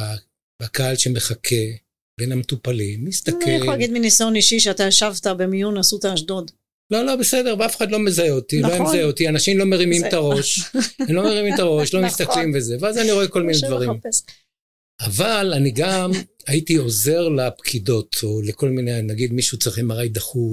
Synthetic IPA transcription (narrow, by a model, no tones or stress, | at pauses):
a | bakaalʃeme̞χakʰe̞ | be̞nhametupalimːist̪akellaɡid̪minisaoniʃiʃeat̪ajaʃavt̪abemijunasut̪aːʃdod̪ | lo̞lo̞bese̞d̪e̞ʁveafeχad̪lo̞mezaeot̪ilojamzajeot̪ianaʃimlo̞me̞ʁimimt̪aʁo̞ʃemlo̞meʁimimt̪aʁo̞ʃlo̞mist̪aklimveze̞veazaniʁo̞eko̞lminedvaʁim | avalaniɡamait̪io̞ze̞ʁlepkʰid̪o̞t̪ʰo̞leko̞lminenaɡid̪miʃuut͡sʁiχemaʁajd̪aχu